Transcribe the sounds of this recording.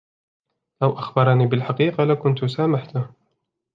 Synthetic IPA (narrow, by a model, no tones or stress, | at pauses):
ʔawʔaxbɑɾˤɑniːbɪlħaqiːqalakʊnt̪ʊsaːmaħt̪ʊ